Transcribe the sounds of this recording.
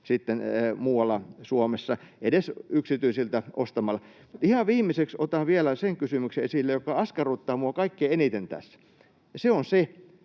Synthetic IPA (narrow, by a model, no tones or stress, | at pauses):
sit̪ːenmuːwɑlːˑɑsuomesːɑedesyksit̪yisilt̪æʔost̪ɑmɑlːɑmut̪ihɑʋʋiːmːeseksot̪ɑˑʋielæseŋkysymykseesilːejokːˑɑɑskɑruːt̪ːɑːmuɑkɑikːeenit̪ent̪æ̰sːæ̥ | jɑseonse